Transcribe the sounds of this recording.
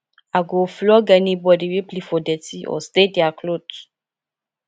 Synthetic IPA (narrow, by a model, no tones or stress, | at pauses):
aɡoflɔɡɛnĩbɔdiweplifodɛtiʔɔ̰st̪ediaklod